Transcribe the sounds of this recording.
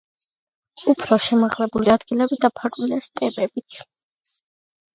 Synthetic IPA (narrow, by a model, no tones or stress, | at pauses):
upʰɾɔʃɛmaʁlɛbuliad̪ɡilɛbid̪apʰaɾʼilɛst̪ʼɛbɛb̥it̪ʰ